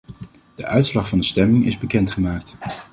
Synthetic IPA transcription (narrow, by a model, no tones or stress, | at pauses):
d̥əʔœɥtslɑχvɑndəstɛmɪŋɪ̰zbəkɛntχəmaːk̚t